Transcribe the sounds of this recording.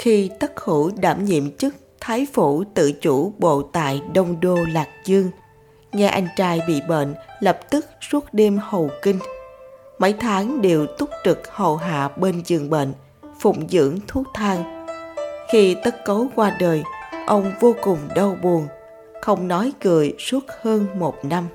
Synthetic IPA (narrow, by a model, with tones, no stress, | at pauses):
xi˧t̪ə˦˥k̚xu˧˩ɗaː˧˩mɲḭ˧˨əmt͡ɕɨ˦˥k̚t̪ʰaː˨˦jfu˧˩t̪ɨ̰˧˨t͡ɕu˧˩˥ɓo̰˧˨t̪a̰ː˧˨jɗə˧wŋ͡mɗo˧laː˨˩k̚zɨ˧əŋ | ŋɛ˧ʔa˧jŋ̟t͡ɕaː˧jɓḭ˧˨ɓə̰ː˧˨nlə˨˩p̚t̪ɨ˦˥k̚su˦˥ət̚ɗe˧mhə˨˩wkï˧ŋ̟ | mə˧˥jt̪ʰaː˨˦ŋɗe˨˩wt̪ʊ˦˥p̚t͡ɕɨ˨˩k̚hə̰˧˩wɦa̰ː˧˨ɓe˧nzɨ̰˧˨˩əŋɓə̰˧˨n | fʊ̰˧˨ŋ͡mzɨ̰˧˥əŋt̪ʰu˦˥t̪ʰaː˧ŋ | xi˧t̪ə˦˥t̚kə˨˦wkwaː˧ɗəː˨˩jʔə˧wŋ͡mvo˧kʊ˨˩ŋ͡mɗə˧wɓu˨˩əŋn | xə˧wŋ͡mnɔ˨˦jɣɨ̰˧˩˨əjsu˦˥ət̚həː˧nmo˨˩t̚na˧m